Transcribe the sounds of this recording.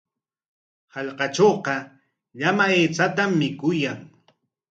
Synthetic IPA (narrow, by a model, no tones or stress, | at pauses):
hɑʎqɑt͡ʃoːqɑ | ʎamaeːt͡sat̪amːɪkʊjaŋ